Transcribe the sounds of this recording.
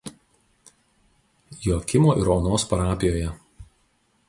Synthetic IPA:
joːkʲɪmoːʔɪɾoːnoːspɐɾɑːpʲɪjoːjɛ

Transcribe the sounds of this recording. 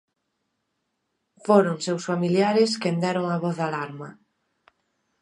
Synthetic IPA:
foɾoŋsewsfamiljaɾɪskend̪ɛɾoŋaβɔθðalaɾmɐ

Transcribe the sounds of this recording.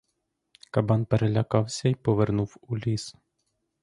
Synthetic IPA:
kɐbɑnpeɾelʲɐkɑwsʲɐipɔʋernuwulʲis

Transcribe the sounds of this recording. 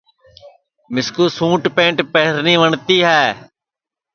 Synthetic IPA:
mɪskuːsũːʈpẽːɳʈpeɦɾniːʋəɳt̪iːɦɛː

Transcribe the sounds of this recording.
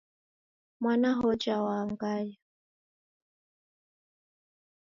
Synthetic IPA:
mwanaɦɔd͡ʒawaŋɡaja

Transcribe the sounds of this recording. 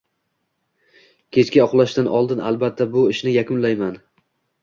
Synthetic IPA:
kʲʰe̞t͡ʃkʲaɒqlˠaʃt̪anɒ̰lˠd̪ɪna̰lˠbat̪ʰːabʊɪʃnɪjakʰʲʊnlajman

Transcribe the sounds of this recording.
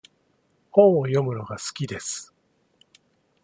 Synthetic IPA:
hõ̞ɰ̃ojo̞mɯ̟no̞ɡasɨ̥kʲid̪e̞sɨ̥

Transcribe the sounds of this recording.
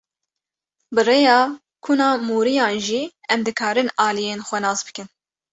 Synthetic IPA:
bɨreːjɑː | kʰuːnɑːmuːɾijɑːnʒiːɛmd̪ɨkʰɑːɾɨnɑːlijeːnxʷɛnɑːzbɨ̥kɨn

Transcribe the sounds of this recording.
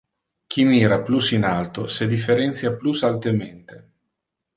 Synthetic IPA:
k̟ʰimiːɾaplusinalt̪osed̪ifːeɾɛnt̪sjaplusalt̪ement̪e

